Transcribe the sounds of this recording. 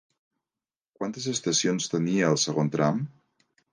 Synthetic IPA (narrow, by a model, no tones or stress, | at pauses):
kwant̪əzəst̪əsionst̪əniəːlˠsəɣont̪ɾam